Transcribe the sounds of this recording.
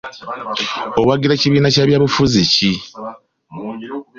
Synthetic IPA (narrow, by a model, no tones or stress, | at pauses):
o̞waɡiɾaciβiːnacaːβjaːβufuzici